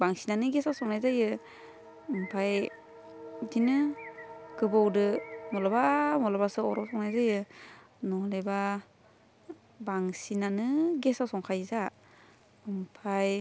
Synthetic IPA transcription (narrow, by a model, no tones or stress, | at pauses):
baŋsinanɯɡesawsɔŋnajzajɯ | ɯmpʰaj | dinɯ | ɡ̥ɯbɔwdɯmɔlabamɔlabasɯɔɾɔsɔŋnajzajɯ | nɔleba | baŋsinanɯɡesawsɔŋkʰajza | ɯmpʰaj